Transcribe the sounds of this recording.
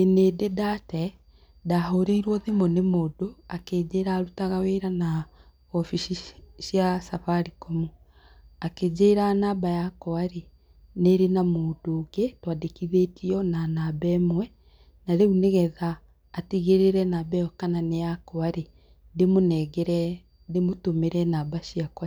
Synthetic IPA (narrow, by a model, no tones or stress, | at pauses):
eneːdedatɛ | daɦoɾeiɾwɔðemɔnemoːdoaked͡ʒeːɾaːɾutaɣaweɾana | ɔfiʃiʃjasafaɾikɔmu | aked͡ʑeːɾanaːbajakɔaɾe | neɾenamoːdoːɡetwadekiðetʰiɔnanabɛmwɛ | naɾeuneɣɛðaː | tiɣeɾeɾɛnabɛɔkananejakɔaɾe | demonɛɡɛɾɛ | demotomeɾɛnabaʃiakwa